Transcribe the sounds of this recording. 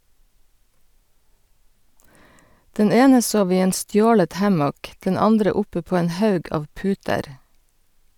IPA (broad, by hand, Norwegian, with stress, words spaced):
ˈdɛn ˈeːnə ˈsoːʋ ˈiː ˈeːn ˈstjoːlət ˈhɑmɔk ˈdɛn ˈɑndɾə ˈʊpə ˈpoː ˈeːn ˈhɑʉɡ ˈɑːʋ ˈpʉːtəɾ